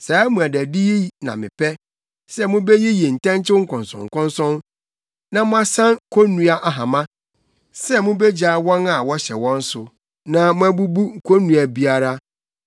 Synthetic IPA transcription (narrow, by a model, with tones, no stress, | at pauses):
saː˨˦mũ˨æ˨dæ˨di˦ji˦nã̰˨mɪ̰̃˨pʰɛ˦ | sɛ˦mʊ̃˦be˦ji˦ji˨n̩˨tɛ̃˦nt͡ɕʰɪ˦ŋ̩˦kʰɔ̃˨nsɔ̰̃˨ŋ̩˨kʰɔ̃˦nsɔ̃˦n | nã˨mʊ̃˦a˦sã˦n˨kʰo˦nːũ˦a˦ʔa˨ɦã˨mã˦ | sɛ˦mʊ̃˦be˦d͡ʑa˦˨wɔ̃˦na˨wɔ˦ɕɛ˨wɔ̃˦n̩˦sʊ˨ | nã˦mʊ̃˦æ˦bu˦bu˦ŋ̩˨kʰo˦nːũ˨a˨bi˦a˦ɾa˦